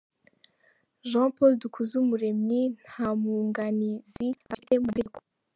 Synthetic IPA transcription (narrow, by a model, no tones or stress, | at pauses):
ʒãpoldukʰuzumuɾe̞mɲin̥hamuːŋɡaniziaemueɡo